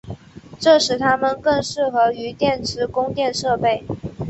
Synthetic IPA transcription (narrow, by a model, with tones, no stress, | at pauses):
ʈ͡ʂɤ˥˩ʂɻ̩˧˥t̪ʰa˥mə˨nkɤ˥˧ŋʂɻ̩˥˩xɤ˧˥y˧˥t̪jɛ˥˩nʈ͡ʂʰɻ̩˧˥kʊ˥ŋt̪jɛ˥˧nʂɤ˥˧pe˥˩ɪ